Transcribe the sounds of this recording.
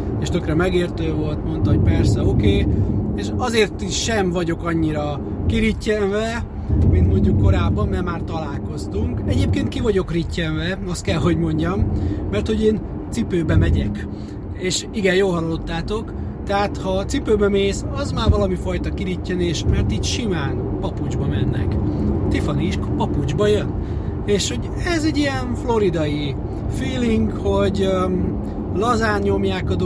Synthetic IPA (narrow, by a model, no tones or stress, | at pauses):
eːʃt̪økrɛmɛɡeːrt̪øːvo̞lt̪mo̞nt̪ɒɦo̞ɟ̚pɛrsɛokeːeːʃɒzeːrt̪iʃʃɛmvɒɟo̞kɒɲːiɾɒ | kiɾicːɛɱvɛ | mint̪mo̞ɲɟukːo̞ɾaːbːɒmːɛrmaːrt̪ɒlaːlko̞st̪uŋkɛɟeːp̚keːnt̪̚kivɒɟo̞kricːɛɱvɛɒst̪kɛlɦo̞ɟmo̞ɲɟɒmːɛrt̪ho̞ɟeːn | t̪sipøːbɛmɛɟɛk | eːʃiɡɛnjoːlɦɒlɒlːo̞t̪ːaːt̪o̞k | t̪ɛɦaːt̪hɒt̪sipøːbɛmeːsɒzmaːrvɒlɒmifɒjt̪ɒkiɾicːɛneːʃmɛrt̪iːcʃimaːnpɒpud͡ʒbɒmɛnːɛ̰kt̪ifɒniʃkpɒpud͡ʒbɒjøn | eːʃho̞ɟ | ɛzɛɟːijɛnflo̞ɾid̪ɒji | fiːliŋɡkho̞ɟ | lɒzaːnɲo̞mjaːkɒd̪